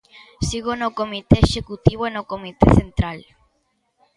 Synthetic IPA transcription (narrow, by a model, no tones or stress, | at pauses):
siɣonokomit̪eːʃekut̪iβoenokomit̪ḛθent̪ɾal